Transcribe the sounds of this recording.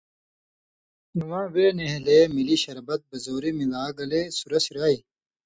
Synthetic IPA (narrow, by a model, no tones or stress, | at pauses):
nuwãːweːneɦleːmiliɕɐɾbɐt̪̚bɐzoːɾimilaːɡɐleːsuɾɐsiɾaːi